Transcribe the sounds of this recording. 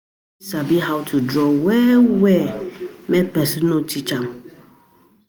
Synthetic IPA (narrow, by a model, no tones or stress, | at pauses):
sabiɦawtʰudɾɔwɛwɛmɛ̃pɛsinõt͡ʃit͡ʃam